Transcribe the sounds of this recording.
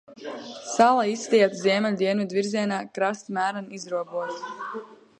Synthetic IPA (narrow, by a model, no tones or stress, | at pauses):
salˠaisːt̪iɛt̪zʲiɛmʲɛlʲud̪iɛnvʲid̪viɾziɛnaːkɾast̪mæːɾanizɾuɔbuɔt̪